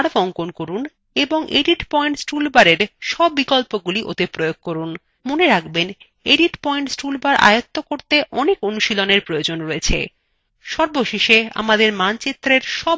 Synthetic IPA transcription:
aɽbɔŋkonkoɾun | eboŋʔeɖiʈpɔjɳʈsʈulbaɾeɾʃɔbːikɔlpoɡuliʔo̰t̪epɾojoɡ̚koɾun | moneɾakben | eɖiʈpɔiɳʈsʈulbaɾʔa̰jot̪ːokoɾt̪eʔɔnekonuʃiloneɾpɾojod͡ʑonɾoet͡ɕʰḛ | ʃɔɾboʃeʃea̰mad̪eɾmant͡ɕet̪ːɾeɾʃɔb

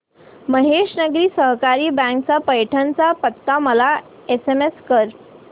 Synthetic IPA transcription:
məɦeʂnəɡɾiːsəɦkaɾiːbãŋk̚t͡sapəjʈʰant͡sapət̪ːaməla | esemeskəɾ

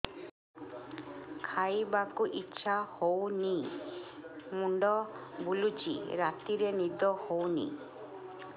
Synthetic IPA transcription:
kʰajbakuʔitːʃʰahowni | muɳɖɔbulut͡ʃḭɾat̪iɾenid̪ɔhownḭ

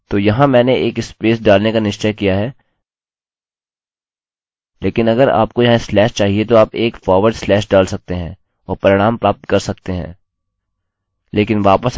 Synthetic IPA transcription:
t̪oːjɐɦãmɛ̃ːneeːkɪspeːsɖaːlnekanɪʃt͡ʃəkijaɦɛː | leːkɪnɐɡəɾa̰ːp̚kojɐɦãɪslɛːʃt͡ʃaːɦiet̪oaːpeːkfɔːɾʋəɾɖslɛːʃɖaːlsɐk̚t̪eɦɛ̃ː | ɔːɾpɐɾɪɽ̃aːmpɾaːp̚t̪kɐɾsɐkt̪eɦɛ̰̃ː | leːkɪnʋaːpəs

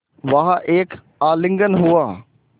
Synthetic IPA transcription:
ʋaɦaʔeːk | aːlɪ̃ŋɡənɦoːaː

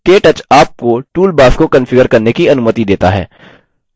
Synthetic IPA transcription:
keːʈɐt͡ʃaːp̚koʈuːlbaːskokɐ̃nfɪɡəɾkɐɾnekiɐnʊmət̪id̪eːt̪a̰ɦɛ̰ː

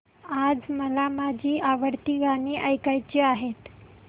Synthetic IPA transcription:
ad͡zməlamad͡ʑʱiːaʋəɽt̪iːɡaniːʔəjkajt͡ɕiːaɦet̪

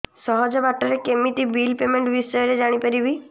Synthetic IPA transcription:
sɔɦɔd͡ʒɔbaʈɔɾekemiʈibilpemeɳʈbisɔjɔɾed͡ʒaɽ̃ipaɾibi

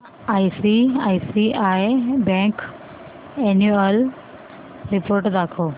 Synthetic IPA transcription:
aːisiaːisiaːjbɛ̃k | ɛnuel | ɾipoːɾʈd̪akʰoː

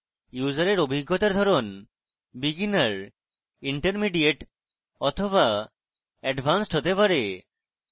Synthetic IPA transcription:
juzaɾeɾobʱiɡʱːot̪aɾd̪ʱɔɾon | biɡinaɾ | iɳʈeɾmiɖieʈ | ɔt̪ʰoβa | ɛɖbʱansʈɦot̪epaɾe

